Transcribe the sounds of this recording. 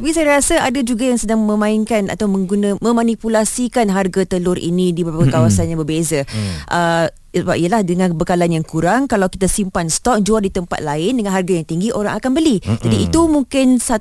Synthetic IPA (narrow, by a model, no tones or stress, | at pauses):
tapisajaɾasaadad͡ʒuɡajaŋsədaŋmə̃mãɪnkana̰t̪awmə̃ŋɡunãmə̃mãnipulasikanɦarɡat̪əlʊɾʔḭnĩdibakəkawasanɲãbəbezaʔə | səbap̚iəlahdəŋãnbəkalanjaŋkuɾaŋkalawki̥t̪asimpanst̪ɔk̚d͡ʒuadit̪əmpa̰t̪̚laɪndəŋãnɦarɡajaŋt̪iŋɡiʔoɾaŋakanbəlid͡ʒadiit̪umuŋkɪnsa